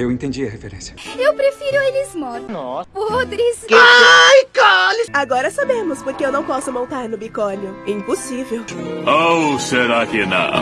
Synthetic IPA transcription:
ewẽt̪ẽd͡ʒiɐhefeɾẽsɐewpɾefiɾʊelɪzmɔɾnɔpod̪ɾisajkalɪsaɡɔɾɐsabẽmʊspoɾkeewnɐ̃w̃pɔsʊmõnt̪aɾnʊbikɔnjʊĩposivewowseɾakɪnɐ̰̃

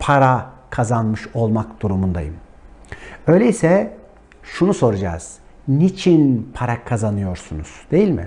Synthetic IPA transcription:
pʰaɾakʰazanmɯʃo̞lˠmakd̪̥uɾumund̪a̰jɯ̰m | ø̞jlʲeisɛ | ʃunuso̞ɾud͡ʒa̰ːz̥ | nit͡ʃʰinpʰaɾakʰazanɯjo̞ɾsunuz̥d̪̥e̞jilʲmɪ̰

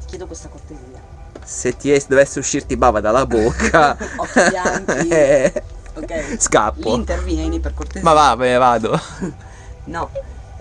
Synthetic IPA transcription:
t̪i̥kjɛːd̪okwest̪akort̪eziːa | set̪ːiɛsd̪ovesːeuʃːirt̪ibaːvad̪alabokʰːa | ɛ | oɛska̰pːont̪ervjɛniperkort̪emavavɛvaːd̪o | nɔ

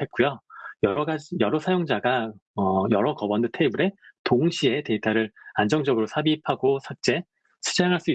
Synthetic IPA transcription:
e̞t̚k͈ujojʌɾʌɡad͡ʑijʌɾʌsʰajoŋd͡ʑaɡaʌjʌɾʌkʌbʌndɯtʰe̞ibuɾe̞toŋɕʰie̞te̞itʰaɾɯɾand͡ʑʌŋd͡ʑʌɡɯɾosʰabipʰaɡosʰak̚t͡ɕ͈e̞ | sʰɯ̥d͡ʑaŋɦaɭs͈ui

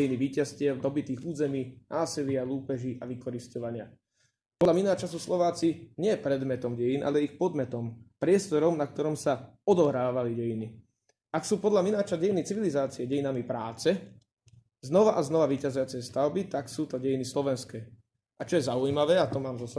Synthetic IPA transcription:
jiniʋiːcascɪɛvd̪ɔbit̪iːɣuːzɛmiːnʔaːsilɪaluːpɛʒiʔaʋikɔɾiscɔʋaɲɪa | pɔlaminaːɦɔt͡ʃasuslɔʋaːt͡siɲɪɛpɾɛd̪mɛt̪ɔmɟɛjinʔa̰lɛɛixpɔd̪mɛt̪ɔmpɾɪɛst̪ɔɾɔmnak̚t̪ɔɾɔmsaɔd̪ɔɦɾaːʋaliɟɛjini | aksuːpɔd̪laminaːt͡ʃaɟɛjinit͡siʋilizaːt͡siɛɟɛjinamipɾaːt͡sɛ | znɔʋaʔaznɔʋaʋiːcazujat͡sɛst̪aʊbit̪aksuːt̪ɔɟɛjinislɔʋɛnskɛː | at͡ʃɔjɛzaujmaʋɛːat̪ɔmaːmzɔsa

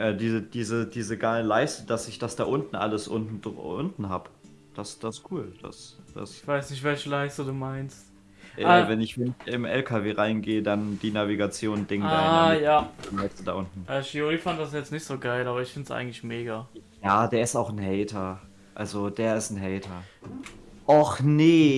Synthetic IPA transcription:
ʔɛːdiːzəd̥iːzəd̥iːzəɡaɪlənlaɪstəd̥asɪçd̥asd̥aːʔʊntn̩ʔa̰ləsʔʊ̰ntn̩dʊ̰ntn̩ɦaːbə | d̥asd̥asskʰuːld̥a̰sd̥a̰sçv̥aɪsnɪçtv̥ɛlçəlaɪstduduːmaɪnst | ʔɛavɛnɪçvɛnɪɪmʔɛ̰lkʰaveːʁaɪnɡeːədand̥iːnaviɡat͡sjoːndɪŋdajaːd̥anhɛkstudaːʔʊntn̩ʔaʃioʁiːfant̚d̥as̬jɛt͡snɪçtz̥oːɡaɪlʔaːbɐɪçfɪntsʔa̰ɪɡŋ̩tlɪçmeːɡajaːdeːɐɪstaʊxn̩ɦɛːtʰɐ | ʔalzodeːɐɪstn̩ɦɛɪtʰɐ | ʔɔχne

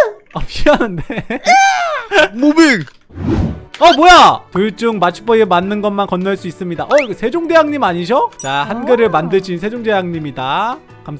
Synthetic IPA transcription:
ʌpɕ͈ianɯnde | mubik̚ | ʌbojatɯɭt͡ɕ͈uŋmat͡ɕʰi̥bʌemanːɯnɡʌnmankʌnːaɭs͈uis͈ɯmɲidaʔʌsʰe̞d͡ʑoŋde̞jaŋɲimaɲiɕ̬ʰʌt͡ɕaɦanɡeɾɯɭmandɯɭd͡ʑinsʰe̞d͡ʑoŋde̞jaŋɲimida | kams

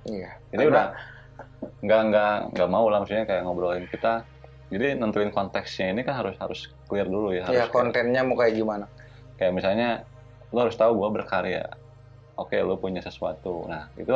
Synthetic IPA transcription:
ijad͡ʒadiudah | ŋɡaŋɡaʔŋɡaʔmaulahmsut̪̚ɲakajaʔŋobəɾolɪnkit̪a | d͡ʒadinənt̪uɪnkɔnt̪ɛksɲainikanɦaɾʊsha̰ɾʊsklirdulujaɦaɾakont̪ɛnɲamukajaɡimana | kajaʔmisalɲa | luhaɾʊst̪auɡuabərkaɾia̰ | okelupuɲasəsuat̪unahḭt̪u

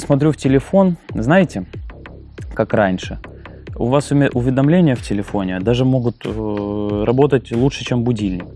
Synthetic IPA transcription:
smɐt̪ɾʲuftʲɪlʲɪfo̞nznajɪtʲɪ | kakranʲʂɨ | ʊ̰vasʊʔʊvʲɪd̪ɐmlʲenʲɪjəftʲɪlʲɪfo̞nʲɪd̪aʐɨmo̞ɡʊt̪ | ɾɐbo̞t̪ətʲlˠut͡ʂʂɨ̥t͡ɕembʊdʲilʲnʲɪk

